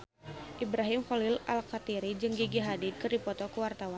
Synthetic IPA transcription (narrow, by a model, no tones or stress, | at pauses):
ʔibɾaɦimfɔlɪlalkat̪iɾid͡ʒɨŋɡiɡiɦadid̪̚kɨrdipɔt̪ɔkəwart̪awan